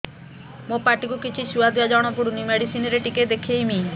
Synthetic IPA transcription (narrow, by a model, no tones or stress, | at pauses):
mopaʈikukit͡ʃʰisuad̪jad͡ʒɔɽ̃ɔpuɽunimeɽisinɔɾeʈiked̪ekʰiejmi